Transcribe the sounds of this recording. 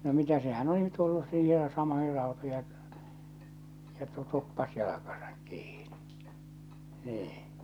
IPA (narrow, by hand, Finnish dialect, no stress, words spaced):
no mitæ sehæn oli tulːus siːhej jɑ sɑmoihir rɑutoij jɑ ketːu tupːɑs jɑlɑkɑsɑ̥k kiːn̥i̥ niː